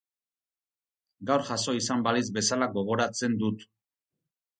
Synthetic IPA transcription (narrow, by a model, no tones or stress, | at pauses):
ɡawɾʝaso̞isambalizbe̞salaɡo̞ɣ̞o̞ɾat͡se̞nd̪ut̪